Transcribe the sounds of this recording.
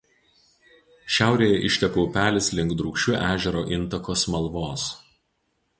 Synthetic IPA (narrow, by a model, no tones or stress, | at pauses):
ʃʲæˑʊɾʲeːjɛʔɪʃʲt̪ʲɛpoːpʲæːlʲɪslʲɪŋˑɡd̪ɾʊːkʃʲʊʔæːʒʲɛɾoːʔɪnt̪ɐkoːsmɐlˠʋoːs